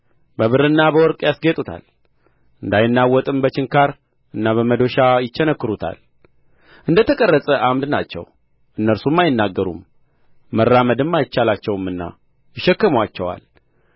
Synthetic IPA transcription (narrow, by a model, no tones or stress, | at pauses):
bəβɨɾɨnːabəwɔɾkʼjasɡet̪ʼut̪ʰa̰l | ɨnd̪ajɪnːawːɔt̪ʼɨmbət͡ʃɪŋkʰaɾ | ɨnːaβəməd̪oʃajɪt͡ʃːɛnəkːɨɾut̪ʰa̰l | ʔɨnd̪ət̪ʰəkʼərːəsʼəʔamd̪na̰t͡ʃːɛ̰w | ʔɨnːəɾsumːajɪnːaɡːəɾṵmː | ərːaməd̪ɨmːajɪt͡ʃːalat͡ʃːɛwɨmːɨnːa̰ | jɪʃːɛkːəmwat͡ʃːɛwa̰l